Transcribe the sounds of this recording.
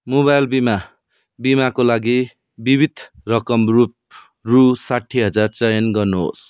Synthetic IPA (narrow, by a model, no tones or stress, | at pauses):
mobajlbima | bimakolaɡi | bibid̪ʱrʌkʌmrup̚ | rusaʈʰːiɦʌd͡zart͡sʌjʌnɡʌrnuɦo̰s